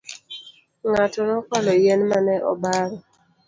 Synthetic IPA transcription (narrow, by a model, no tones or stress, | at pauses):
ŋatɔɾɔkɔlɔjɛnmanɛʔɔ̰baɾɔ